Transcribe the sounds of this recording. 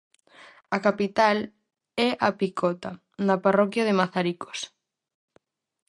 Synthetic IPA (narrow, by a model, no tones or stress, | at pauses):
akapit̪al | ɛʔapikʰɔt̪a | nɐparɔkjaðemaθaɾiko̥s